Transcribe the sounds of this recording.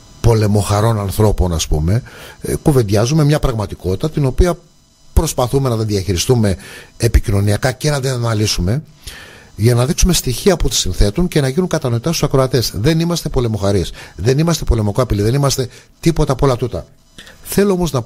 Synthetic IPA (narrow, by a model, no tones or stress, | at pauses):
po̞le̞mo̞xɐɾo̞nɐnθɾo̞po̞nɐspṵme̞kuve̞nd̪ʝɐzume̞mɲɐpɾɐɣmɐt̪iko̞t̪i̥t̪ɐt̪ino̞piɐ | pɾo̞spɐθume̞nɐðeðiɐçiɾist̪ume̞ːpicino̞niɐkɐcenɐd̪ennɐlisume̞ | ʝɐnɐðiksume̞st̪içiɐput̪i̥sinθe̞t̪uɲce̞nɐʝinuŋkɐt̪ɐno̞it̪ɐst̪usɐkɾo̞ɐt̪esðe̞nimɐst̪e̞po̞le̞mo̞xɐɾisðe̞nimɐst̪e̞po̞le̞mokoɐpiliðe̞nimɐst̪e̞t̪ipo̞t̪ɐpo̞lɐt̪ut̪ɐ | θe̞lo̞omo̞znɐ